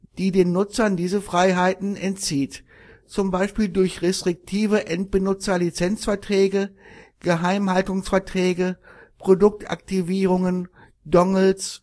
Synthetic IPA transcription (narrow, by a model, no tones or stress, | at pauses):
d̥iːdeːnːʊt͡sɐndiːzəfʁ̥aɪɦaɪtn̩ɛntt͡siːt | t͡sʊmbaɪʃpiːldʊɐçʁestʁ̥ɪk̚tʰiːvəʔɛnt̚b̥ənʊt͡sɐlit͡sɛnt͡sfɛɐtʁ̥ɛːɡəɡ̥əɦaɪmhaltʊŋsfɛɐtʁ̥ɛːɡəpʁ̥odʊk̚tʰʔa̰k̚tiviːʁʊŋən | dɔŋls